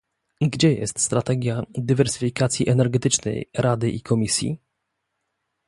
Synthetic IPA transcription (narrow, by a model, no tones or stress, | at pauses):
ɡd͡ʑɛjɛ̰st̪st̪ɾat̪ɛɡʲjad̪ɘvɛɾsɘ̥fʲikat̪sʲjiʔɛnɛɾɡɛt̪ɘt͡ʂnɛ̰jɾad̪ɘʔikʰɔmʲisʲjḭ